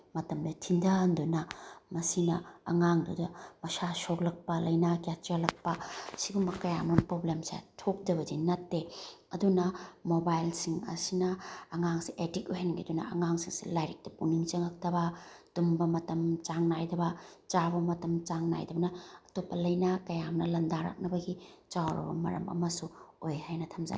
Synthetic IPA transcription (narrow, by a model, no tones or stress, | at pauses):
mɐtɐmdɐtʰindɐɐndunɐmɐsinɐɐ̰ŋaŋdudɐmɐsasoklɐk̚pɐlɐjnakjat͡ʃaɾlɐk̚pɐsiɡumbɐkɐjamonpɾoblemsḛtʰok̚dɐβɐzinɐtːeɐdunɐmobajlsiŋɐ̰sinɐːŋaŋsiʔetik̚ojɦajnɐɡidunɐ̰ɐ̰ŋaŋsiŋsḭlajɾik̚tɐpuniŋt͡ʃɐŋɐk̚tɐbɐd̥umbɐmɐtɐmt͡ʃaŋnajdɐbɐt͡ʃabɐmɐtɐmt͡ʃaŋna̰jdɐbɐnɐɐtopːɐlɐjnɐkɐjamnɐlɐndaɾa̰k̚nɐbɐɡit͡ʃawɾɐ̰bɐmɐ̰ɾɐ̰mɐ̰mɐsuojhajnɐtʰɐmza̰